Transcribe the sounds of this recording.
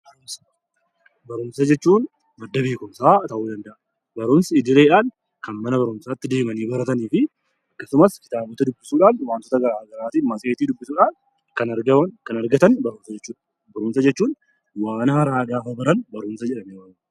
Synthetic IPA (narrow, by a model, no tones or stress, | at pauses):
bɐɾʊmsɐ | bɐɾʊmsɐd͡ʒɛt͡ʃːuːn | mɐd̪ːɐbe̞ːkʊmsaːt̪ɐʔuːd̪ɐnd̪ɐʔɐ | bɐɾʊmsɐɪd̪ɪɾeːᶑaːn | kɐnmɐnɐbɐɾʊmsaːt̪ːɪd̪e̞ːmɐniːbɐɾɐt̪ɐniːfɪ | ɐkːɐsʊmɐskɪ̥t̪aːbɔt̪ɐd̪ʊbːɪsuːᶑaːnwaːnt̪ɔt̪ɐɡɐɾaːɡɐɾaːt̪inmɐsʼeːt̪iːd̪ʊbːɪsuːᶑaːn | kɐnɐɾɡɐkɐnɐɾɡɐt̪ɐnbɐɾʊmsɐd͡ʒɛt͡ʃːuːᶑɐ̥ | bɐɾʊmsɐd͡ʒɛt͡ʃːuːn | waːnɐhɐɾaːɡaːfɐbɐɾɐnbɐɾʊmsɐd͡ʒɛᶑɐmeːɐː